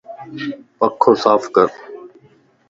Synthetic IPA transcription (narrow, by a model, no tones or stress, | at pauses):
pəkʰːõːsaːfkəɾ